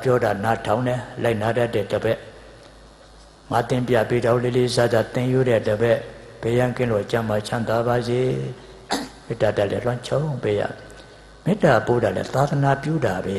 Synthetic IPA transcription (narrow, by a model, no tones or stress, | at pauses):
pjɔdanatʰãʊ̃nɛlaɪʔnadatːɛ̰dəbɛʔ | mat̪ɪ̃mpja̰pidãlelizazat̪ɪ̃juɾɛdəbɛʔ | b̥ɛjãkɪ̃lot͡ɕãmat͡ɕʰãt̪wabaze | mɪtadaʔlɛ̰lwãt͡ɕʰõpeja̰ | m̥ɪtapodalɛ̰t̪ad̪ənapjṵdabɛ